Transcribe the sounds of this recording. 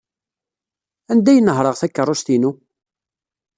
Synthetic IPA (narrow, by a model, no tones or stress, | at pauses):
ænd̪æjənːəɦɾˤəʁθækːərˤːoʃt̪inu